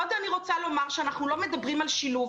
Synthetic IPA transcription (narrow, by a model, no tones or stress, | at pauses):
odaniʁo̞t͡salo̞maʁʃeanaχnulo̞medabʁimalʃilu